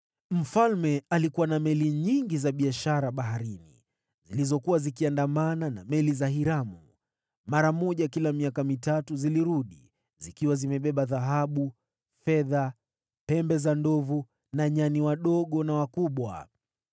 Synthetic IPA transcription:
m̩falmɛalikuwanamɛliɲiŋɡizaɓiaʃaɾaɓaɦaɾinḭ | zilizɔkuwazikiandamanana̰mɛlizaɦiɾamu | maɾamɔʄakilamiakamitatuziliɾuɗi | zikiwazimɛɓɛɓaðaɦaɓu | fɛða | pɛmbɛzandɔvu | naɲaniwaɗɔɠɔnawakuɓwa̰

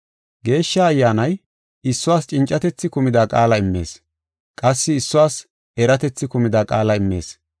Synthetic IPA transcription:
ɡe̞ːʃːaːjːaːnɐj | ɪsːʊwaːst͡ʃʼɪnt͡ʃʼːɐt̪ɛt͡sːɪkʊmɪd̪aːkʼaːlɐɪmːe̞̰ːs | kʼɐsːɪɪsːʊwaːs | ɛɾɐt̪ɛt͡sːɪkʊmɪd̪aːkʼaːlɐɪmːe̞̰ːs

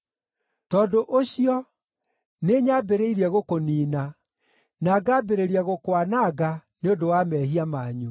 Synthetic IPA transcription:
tɔːdoʔoɕiɔ | neːɲaːbeɾeiɾiɛɣokoniːna | naɡaːbeɾeɾiaɣokwanaːɡa | neondowamɛːhiamaːɲu

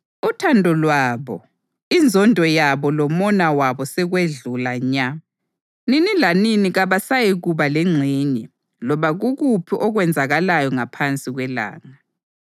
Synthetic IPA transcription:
utʰandʱɔlwaːβɔ | ind͡zʱɔndʱɔjaβɔlɔmɔnawaβɔsɛɣweɮulaɲa | ninilaniniɣaβasajiɣuβaleŋ͡ǀʱiːɲɛ | lɔβaɣuɣupʰiʔɔɣwɛnd͡zʱaɣalajɔŋapʰant͡sʼiɣwɛla̰ːŋa

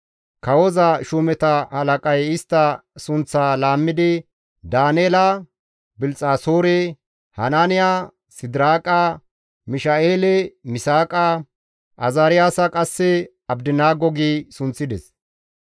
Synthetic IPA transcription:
kɐwɔzɐʃʊmɛt̪ɐhɐlɐkʼɐjɪst̪ːɐsʊnt͡sːaːlaːmːɪd̪ɪ | d̪aːneːlɐ | bɪlt͡sʼaːsoːɾɛ | hɐnaːnɪja | sɪd̪ɾaːkʼɐ | mɪʃaʔeːlɛmɪsaːkʼɐ | ʔɐzaːɾɪjaːsɐkʼɐsːɛ | ɐbd̪ɪnaːɡɔɡiːsʊnt͡sːɪd̪ɛs

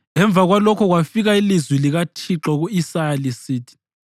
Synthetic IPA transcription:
ɛɱb̪vʱaɣwalɔkʰɔɣwafiɣailizwiliɣatʰiǁɔɣuisaelisiːtʰi̥

